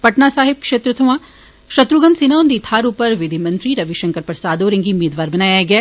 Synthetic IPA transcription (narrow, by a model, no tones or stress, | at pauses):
pɐʈnasaːɦɪb̚kʃeːt̪ɾɐt̪ʰɐʋãː | ʃɐt̪ɾuɡə̃nd̪sinawnd̪iːt̪ʰaːɾuːpəɾʋɪd̪ʱimɐ̃nt̪ɾiɾɐʋiʃɐ̃ŋkəɾpɾɐsaːd̪oːɾɪ̃ŋɡiʊmeːd̪ʋaːɾbɐnaːjaɡɐja